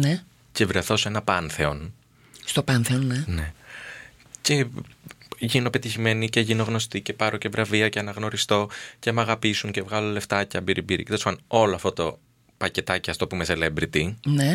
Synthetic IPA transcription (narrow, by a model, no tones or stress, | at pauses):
ne | ce̞vɾeθo̞se̞nɐpɐnθe̞o̞n | st̪opɐnθeonːene̞ | ce̞ | ʝino̞pe̞t̪içime̞nice̞ʝino̞ɣno̞st̪ice̞pɐɾʔoce̞vɾɐviɐceɐnɐɣno̞ɾist̪o̞ce̞mɐɣɐpisuŋce̞vɣɐloleft̪ɐceɐmbiɾʔibiɾḭcit̪ɐsfoɐno̞loɐft̪ot̪o̞ | pɐce̞t̪ɐciɐft̪o̞pumeselembɾit̪ine